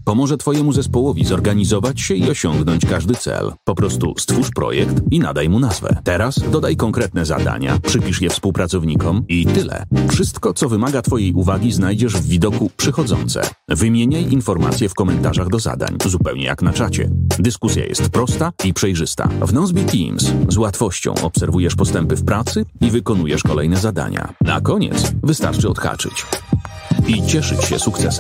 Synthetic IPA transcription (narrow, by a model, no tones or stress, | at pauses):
pɔmɔʐɛt̪fɔjɛmuzɛspɔwɔvʲizɔɾɡaɲizɔvat͡ɕɕɛiɔɕɔŋɡnɔɲt͡ɕkaʐd̪ɘt̪sɛ̰lpɔpɾɔst̪ṵst̪fuʂpɾɔ̰jɛkt̪ina̰d̪ajmunazvɛ̰t̪ɛɾasd̪ɔd̪ajkɔŋkɾɛt̪nɛza̰d̪a̰ɲa̰pʂɘpʲiʂjɛfspuwpɾat̪sɔvɲikɔmit̪ɘlɛ̰fʂɘst̪kɔt̪sɔvɘmaɡat̪fɔjejʔuvaɡʲiznajd͡ʑɛʐvːʲid̪ɔkupʂɘxɔd̪zɔ̰nt̪sɛ̰ | vɘmʲjeɲajʔinfɔɾma̰t̪sʲjɛfkɔmɛnt̪aʐaɣd̪ɔza̰d̪a̰ɲzupɛwɲɛ̰ja̰knat͡ʂat͡ɕɛ̰d̪ɘskusʲja̰jɛ̰st̪pɾɔst̪aipʂɛjʐɘst̪a̰vnɔzbʲit̪ʲḭmszwat̪fɔɕt͡ɕɔ̰̃w̃ʔɔpsɛɾvujɛʂpɔst̪ɛmpɘfpɾat̪sɘivɘkɔnujɛʂkɔlɛjnɛzad̪a̰ɲa̰na̰kɔɲɛ̰t̪svɘst̪a̰ɾt͡ʂɘɔt̪xa̰t͡ʂɘ̰t͡ɕ | it͡ɕɛʂɘt͡ɕɕɛ̰sukt̪sɛsɛ